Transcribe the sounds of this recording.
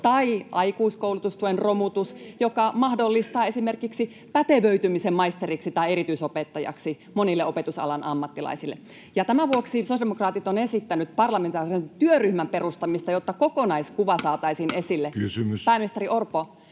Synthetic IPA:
t̪ɑiʔɑikuːskoulut̪ust̪uenromut̪usjokɑmɑhdolːist̪ɑːesimerkiksi | pæt̪eʋøyt̪ymisemmɑist̪eriksit̪ɑieɾit̪yisopet̪ːɑjɑ̰ksi | monilːeopet̪usɑ̰lɑnʔɑmːɑt̪ːilɑ̰isilːḛ | jɑt̪æmæʋuoksisosjɑdemokrɑːt̪it̪onesit̪ːænyt̪pɑrlɑment̪ɑːrisent̪yøryhmæmperust̪ɑmist̪ɑjot̪ːɑkokonɑiskuʋɑsɑːt̪ɑisinesilːekysymyspæːminist̪eɾiʔorpo

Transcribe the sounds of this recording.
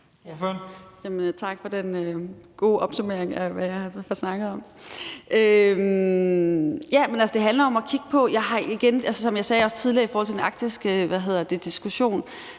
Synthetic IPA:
jæmənt͡sʰɑ̈ɡ̥fɒ̽d̥enøɡ̥o̝ːʔɒ̽b̥sume̝ɐ̰eŋæʋæjɑ̈ɪhɑ̈fɒsnɑ̈ɡ̥ð̩ˠɒ̽mʔøm | jæmenælsəd̥e̝ɦændlɐɒ̽mɒkʰiɡ̥ə̥pʰɒ̽jɑ̈ɪɦɑ̈iɡ̥enælsəsɒ̽mjɑ̈ɪsɛːɒ̽st͡sʰiðˠliɐifɔːhɒlt͡sʰe̝denɑ̈ɡ̥̚d̥isɡ̥əʋæɦe̝ð̞̰ˠɐd̥e̝d̥isɡ̥uɕo̝̰ːn

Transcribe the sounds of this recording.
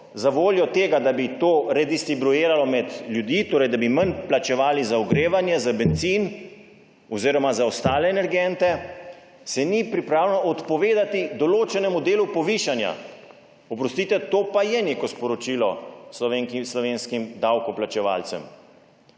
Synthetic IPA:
zaʋoːljɔt̪eːɡad̪abit̪oːɾɛd̪ist̪ɾibɾueːɾalɔmɛd̪lʲjud̪iːt̪oːɾɛjd̪abimənplat͡ʃɛʋaːlizaɔɡɾeːʋanjɛzabɛnt̪siːn | ɔziːɾɔmazaɔst̪aːlɛːnɛɾɡɛnt̪ɛ | sɛnipɾipɾaːwlɛnɔʔɔt̪pɔʋeːd̪at̪id̪ɔloːt͡ʃɛnɛmud̪eːlupɔʋiːʃanja̰ | ɔpɾɔst̪iːt̪ɛt̪oːpajɛneːkɔspɔɾɔt͡ʃiːlɔslɔʋeŋkislɔʋeːnskimd̪awkɔplat͡ʃɛʋa̰ːlt̪sɛ̰m

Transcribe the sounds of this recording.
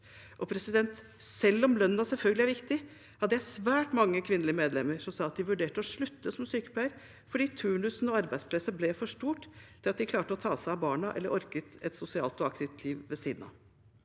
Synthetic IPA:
ʔɔpʰɾɛsɪd̪ɛnt̪ | sɛlːɔmlœnːnɑsɛlfœlɡəlɪæɾʋɪkt̪ɪ | hɑd̪ːəjæɪsʋæːʈmɑŋːəkʰʋɪnəlɪəmeːd̪lɛmːəɾʂɔmsɑːɑt̪̚d̪ɪʋʉɖeːʈəɔʂɭʉt̪ːəsɔmsyːkə̥pʰlæɪəɾ | fɔɖiːt̪ʰʉːɳʉsnɔɑɾbæɪspʰlɛsːəblɛfɔʂʈuːʈ̪ʰːɪlɑt̪̚d̪ɪkʰlɑːʈəɔt̪ʰɑːsæɪɑbɑːɳɑʔɛ̰lːəɾʔɔɾkət̪ɛt̪sʊsɪɑ̰ːlt̪ɔɑkt̪ɪft̪ʰliːʋʋɛsiːd̪n̩ɑ̰ʋ

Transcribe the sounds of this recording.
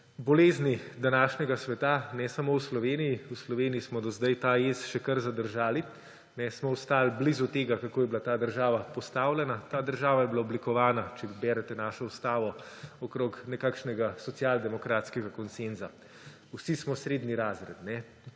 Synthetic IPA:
bɔleːznid̪anaːʃnɛɡasʋɛt̪anɛsamowslɔʋeːnijiuslɔʋeːnijismɔd̪ɔzd̪ajt̪aesʃɛkəɾzad̪əɾʒaːli | nɛsmɔwst̪aːlblizut̪eːɡakakoːjɛblat̪aːd̪əɾʒaːʋapɔst̪aːwlʲɛnat̪aːd̪əɾʒaːʋajɛbilaɔblikɔʋaːnat͡ʃɛbɛːɾɛt̪ɛnaːʃɔust̪aːʋɔɔkɾoːknɛkaːkʃnɛɡasɔt̪sjald̪ɛmɔkɾaːt̪skɛɡakɔnsenza | usismɔsɾeːd̪niɾaːzɾɛ̰t̪nɛ

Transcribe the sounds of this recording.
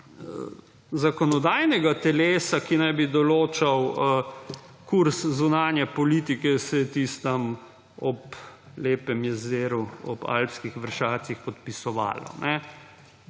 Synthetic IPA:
ə | zakɔnɔd̪aːjnɛɡat̪ɛleːsakinajbid̪ɔloːt͡ʃaw | kuɾszunaːnjɛpɔliːt̪ikɛsɛjɛt̪ist̪am | ɔp | leːpɛmjɛzeːɾuɔpa̰lpskixʋəɾʃaːt̪sixpɔt̪̚pisɔʋa̰ːlɔ̰nʔɛ

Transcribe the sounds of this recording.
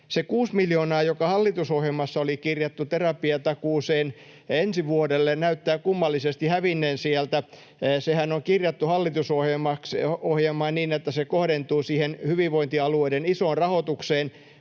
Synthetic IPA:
sekuːsmiljoːnɑːjokɑhɑlːit̪usohjelmɑsːɑolikirjɑt̪ːut̪erɑpiɑt̪ɑkuːseːn | ensiʋuodelːennæyt̪ːæːkumːɑlːisest̪ihæʋinːeːnsiælt̪æ | sehænoŋkirjɑt̪ːuhɑlːit̪usohjemɑksohjelmːˑɑːnniːnet̪ːæsekohɾent̪uːsiːhenhyʋiʋʋoint̪iɑlueidenisoːnrɑhot̪ukseːn

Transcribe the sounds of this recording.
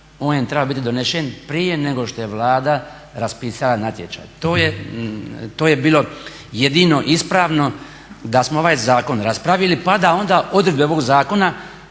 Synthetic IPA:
oːnet̪ɾebabit̪id̪oneʃenpɾijene̞ɡo̞ʃt̪o̞je̞ʋlˠaːd̪a | ɾaspiːsalanat̪jet͡ʃa̰jt̪oːje | t̪oːje̞biːlˠo̞ | jed̪ino̞ʔispɾaːʋno̞ | d̪asmoo̞ʋaːjzaːko̞nɾaspɾaʋjilipad̪ao̞nd̪aːʔo̞d̪ɾed̪beoʋo̞ɡzaːko̞na

